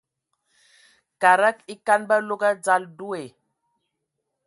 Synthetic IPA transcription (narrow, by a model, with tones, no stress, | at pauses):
ka˨ɾa˦ki˦ka˦nba˦lo˦ɡa˦d͡za˦ldu˦e˨